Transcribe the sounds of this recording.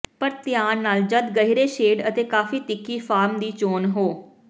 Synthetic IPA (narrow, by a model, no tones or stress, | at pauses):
pəɾt̪ɪjaːnːaːld͡ʒəd̪ɡəɦiɾeːʃeːɖət̪eːkaːfiːt̪ɪkːiːfʰaːɾmd̪iːt͡ʃoːnɦoː